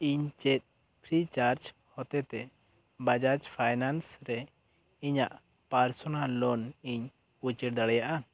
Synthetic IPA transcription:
iɲt͡ʃɛt̪̚ | pʰɾit͡ʃaɾd͡ʒ | hɔt̪ɛt̪ɛ | bad͡ʒaɾt͡ʃpʰajnansɾɛ | iɲaʔ | paɾsɔnalːɔniɲ | ut͡ʃiʈd̪aɽɛjaʔa

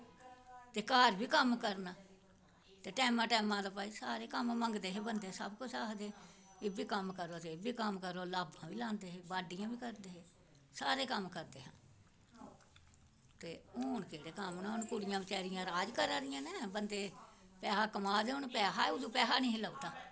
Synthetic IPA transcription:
t̪eːkaːɾbiːkəmkəɾnaː | t̪eːʈɛːmãːʈɛːmãːd̪aːpaːiːsaːɾeːkəmməŋɡd̪eːɦeːbənd̪eːsəbkʊaːɦd̪eː | ebiːkəmkəɾoːt̪eːbiːkəmkəɾoːlaːbãːʋiːlãːnd̪eːɦeːbaːɖɪjãːʋiːkəɾd̪eːɦeː | saːɾeːkəmkəɾd̪eːɦãː | t̪eːoːɳkeːɽeːkəmnãːʊnkʊɽɪjãːbɪt͡ʃɛːɾɪjãːɾaːd͡ʒkəɾaːɾɪjãːneːbənd̪eːpɛːɦaːkəmaːd̪eːʊɳpɛːɦaːʊd̪ũːpɛːɦaːnĩːɦɪlaot̪aː

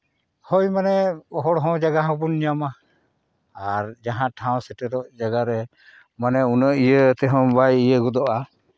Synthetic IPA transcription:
hɔjmanɛɔɦɔɽɦɔ̃d͡ʒaɡaɦɔ̃bunːijama | aɾd͡ʒaɦãʈʰãw̃sɛʈɛɾɔʔd͡ʒaɡaɾɛ | manɛunəʔijət̪ɛɦɔ̃bajijəɡɔd̪ɔʔa

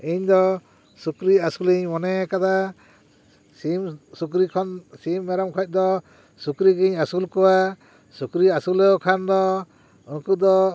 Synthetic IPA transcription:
iɲd̪ɔ | sukɾiasuliɲmɔnɛkad̪a | isukɾikʰɔnsimːɛɾɔmkʰɔc̚ˀd̪ɔ | sukɾiɡiɲasulkɔwa | sukɾiasulɛɔkʰand̪ɔ | uŋkud̪ɔ

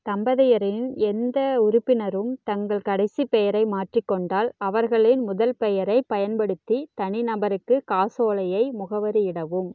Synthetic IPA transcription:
t̪ɐmbɐðɐjɐɾɪnɛnd̪ɐʊɾʊpːɪnɐɾɯmt̪ɐŋɡɐɭkɐɽɐɪsipɛjɐɾɐɪmaːʈrikːɔɳɖaːlɐʋɐɾɣɐɭɪnmʊðɐlpɛjɐɾɐɪpɐjɐnpɐɽɯt̪ːit̪ɐɳɪnɐbɐɾɯkːɯkaːsoːɭɐjɐɪmʊɣɐʋɐɾɯɪɽɐʋɯm

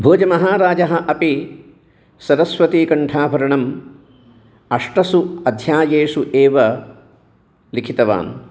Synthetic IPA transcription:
bʱoːd͡ʒɐmɐɦaːɾaːd͡ʒɐɦɐ̆ʔɐpi | sɐɾɐsʋɐt̪iːkɐɳʈʰaːbʱɐɾɐɳɐm | ɐʂʈɐsuɐd̪ʱjaːjeːʂuʔeːʋɐ | likʰit̪ɐʋa̰ːn

